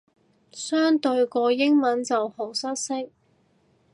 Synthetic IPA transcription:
sœː˥ŋt̪ɵ˧ɥkɔː˧jɪ˥ŋmɐ˨˥nt͡sɐ˨who˨˩sɐ˥t̚sɪ˥k̚

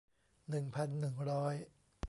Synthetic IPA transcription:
nɯ˨˩ŋpʰa˨˩nːɯ˨˩ŋɾɔː˦˥j

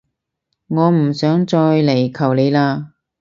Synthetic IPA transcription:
ŋɔː˨˧m̩˨˩sœː˨˥ŋt͡ʃɔː˧jle˨˩jkʰɐ˨˩wle˨˧jlaː˧

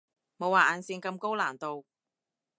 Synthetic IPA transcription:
mo˨˧waː˨˩ʔaː˨˧nsiː˧nkɐ˧mko˥wlaː˨˩nt̪o˨w

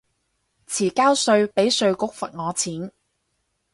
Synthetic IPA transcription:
t͡sʰiː˨˩kaː˥wsɵ˧ɥpe˨˥jsɵ˧ɥkʊ˥k̚fɐ˨t̚ŋɔː˨˧t͡sʰiː˨˥n

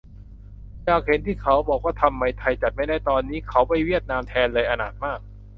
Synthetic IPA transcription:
jaː˨˩k̚he˩˦nt̪ʰiː˥˩kʰa˦˥wbɔː˨˩kwaː˥˩t̪ʰa˧mːa˧jt̪ʰa˧jt͡ɕa˨˩t̪̚ma˥˩jda˥˩jt̪ɔː˧nːiː˦˥kʰa˦˥wpa˥˩jwi˥˩ət̪̚naː˧mt̪ʰɛː˧nlɤː˧jʔa˧naː˨˩t̪̚maː˥˩k̚

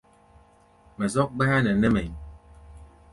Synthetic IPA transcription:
mɛ˨zɔ˦k̚ɡ͡bɛ˦a˦nɛ˨nɛ˦mɛ˨ɲ

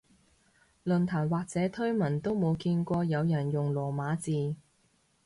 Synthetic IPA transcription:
lɵ˨˩nt̪ʰaː˨˩nwaː˨k̚t͡sɛː˨˥t̪ʰɵ˥ɥmɐ˨˩nt̪o˥wmo˨˧wkiː˧nkʷɔː˧jɐ˨˧wjɐ˨˩njʊ˨ŋlɔː˨˩maː˨˧t͡siː˨˧

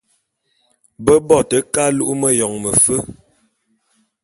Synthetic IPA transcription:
bə˦bɔ˦˨tə˨ka˦lu˦ʔu˦mə˦jɔ˨ŋmə˨fə˦

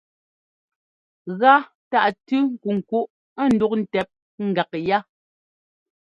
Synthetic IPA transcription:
ɣa˦ | ta˦˨ʔtʉ˦ŋ̩˨ku˨ŋ̩˨ku˦ʔ | a˦˨n̩˨du˦k̚n̩˨tɛ˨p̚ | ŋ̩˦˨ɡa˨kja˦

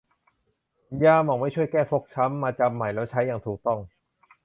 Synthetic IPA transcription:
jaː˧mʔɔː˨˩k̚ma˥˩jt͡ɕʰu˥˩jkɛː˥˩fʰo˦˥k̚t͡ɕʰa˦˥mːaː˧t͡ɕa˧mːa˨˩jlɛː˦˥wt͡ɕʰa˦˥jːaː˨˩ŋt̪ʰuː˨˩k̚t̪ɔ˥˩ŋ

